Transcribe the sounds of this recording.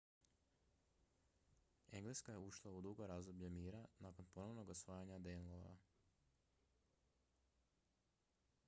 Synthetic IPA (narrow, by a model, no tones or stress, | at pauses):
e̞ŋɡleskaje̞uʃlˠaud̪uɡo̞ɾazd̪obʎemiːɾanako̞npo̞no̞ʋno̞ɡosʋaːjaɲad̪enlˠoʋa̰